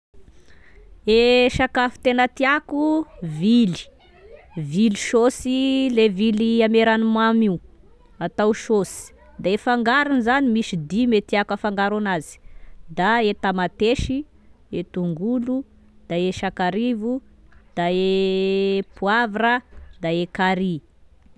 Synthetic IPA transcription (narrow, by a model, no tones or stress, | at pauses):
eʃakafi̥t̪enət̪iakuvili̥ | viliʃosileviliameɾanimamiu | at̪awʃosi̥ | d̪aefaŋɡaɾunizanimisid̪imet̪iakafaŋɡaɾanazi̥d̪aet̪amat̪eʃi | et̪uŋɡulu | d̪̥aeʃakaɾivu | d̪̥ae | puavɾəd̪aekaɾi